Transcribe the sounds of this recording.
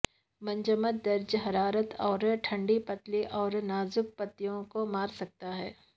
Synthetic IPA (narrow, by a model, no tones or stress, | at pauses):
mɐ̃ɲd͡ʒəmət̪̚d̪ɐɾd͡ʒɦɐɾaːɾət̪ɔːɾʈʰɐ̃ɳɖipɐt̪liʔɔːɾnaːzʊk̚pɐt̪ːijõkomaːɾsɐk̚t̪aɦɛː